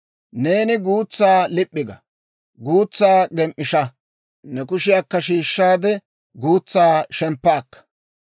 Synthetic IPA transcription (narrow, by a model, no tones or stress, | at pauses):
ne̞ːnɪɡuːt͡sːaːlɪpʼːɪɡɐ | ɡuːt͡sːaːɡɛmʔːɪʃɐ | nɛkʊʃɪjakːɐʃiːʃːaːd̪ɛ | ɡuːt͡sːaːʃɛmpːaːkːɐ̥